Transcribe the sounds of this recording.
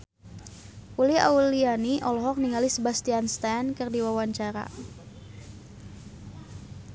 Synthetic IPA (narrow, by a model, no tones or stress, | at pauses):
ʔulia̰ulianiʔɔlɔɦɔk̚niŋalisəbast̪ianst̪ankɨrdiwawaɲt͡ʃaɾa̰